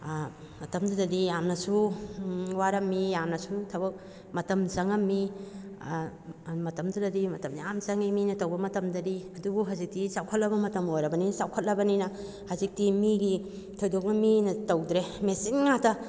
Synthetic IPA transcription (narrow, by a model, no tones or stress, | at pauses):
mɐtɐmdadɐdijamnɐsu | waɾɐmːijamnɐsutʰɐbɐk̚ | mɐtɐmzɐŋɐmːi | mɐtɐmdudɐdimɐtɐmdiamzɐŋiminɐtowbɐmɐtɐmdɐdiɐdubuɦazik̚tisawkʰɐt̚lɐbɐmɐtɐmojɾɐbɐninsawkʰɐt̚lɐbɐninɐ | hazik̚timiɡi | tʰojdok̚nɐminɐtowd̪ɾemesinŋatɐ